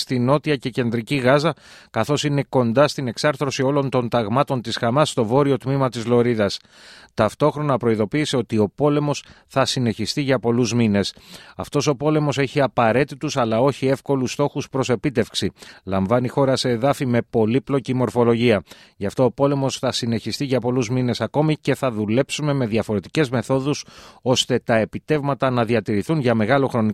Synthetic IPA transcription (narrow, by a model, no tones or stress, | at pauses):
st̪ino̞t̪iɐce̞ce̞nd̪ɾiciɣɐzɐkɐθo̞sine̞ko̞nd̪ɐst̪ineksɐɾθɾosio̞lo̞nt̪o̞nt̪ɐɣmɐt̪o̞nt̪isxɐmɐst̪o̞vo̞ɾio̞t̪mimɐt̪izlo̞ɾiðɐs | t̪ɐft̪o̞xɾo̞nɐpɾo̞iðo̞piːse̞o̞t̪io̞po̞le̞mo̞s | θɐsine̞çist̪iʝɐpo̞luzmine̞sɐft̪o̞so̞po̞le̞mo̞se̞çiɐpɐɾe̞t̪it̪usɐlɐo̞çie̞fko̞lust̪o̞xuspɾo̞se̞pit̪e̞fksilɐɱvɐnixo̞ɾɐse̞ːðɐfime̞po̞liplo̞cimo̞ɾfo̞lo̞ʝiɐ | ʝɐft̪oːpo̞le̞mo̞sθɐsine̞çist̪iʝɐpo̞luzmine̞sɐko̞mice̞θɐðule̞psume̞me̞ðjɐfo̞ɾe̞t̪i̥ce̞zme̞θo̞ðuso̞st̪e̞t̪ɐe̞pit̪e̞vmɐt̪ɐnɐðiɐt̪iɾiθunʝɐme̞ɣɐlo̞xɾo̞ni